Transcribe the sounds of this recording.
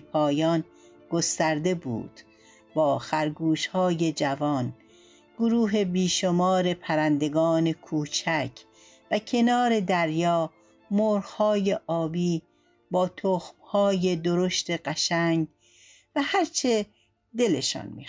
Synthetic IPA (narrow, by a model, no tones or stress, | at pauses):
pʰɒːjɒːn | ɡ̥ost̪æɾd̪e̞bṵːd̪̥ | bɒːxæɾɡuːʃhɒːje̞d͡ʒævɒːn | ɡ̥oɾuːɦe̞biːʃo̞mɒːɾe̞pʰæɾænd̪e̞ɡɒːne̞kʰuːt͡ʃʰækʰ | væcʰe̞nɒːɾe̞d̪æɾjɒː | moːɾhɒːjeʔɒːbiː | bɒːt̪ʰoxmhɒːje̞d̪oɾoʃt̪e̞ɢæʃæŋɡ | væhæɾt͡ʃʰe | d̪e̞leʃɒ̰ːnmḭː